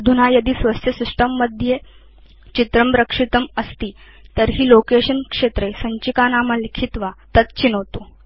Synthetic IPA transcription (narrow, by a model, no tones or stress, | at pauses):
d̪ʱunajɐd̪iːsʋəst̪ʰjəsiʂʈəmːəd̪ʱje | t͡ɕit̪ɾəmpɾəkʂit̪əməst̪iː | t̪əɾɦiːlokeɕənkʂet̪ɾesəɲt͡ɕikanaməlikʰit̪ʋat̪ət̪t͡ɕinəʋt̪o